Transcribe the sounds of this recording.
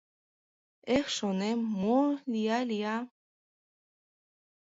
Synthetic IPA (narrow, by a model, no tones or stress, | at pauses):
exʃonemolʲijalʲija